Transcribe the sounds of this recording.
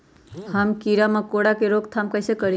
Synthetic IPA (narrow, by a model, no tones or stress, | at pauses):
həmkiɾamãkoɽakeɾoɡt̪ʰamkəɪsekəɾi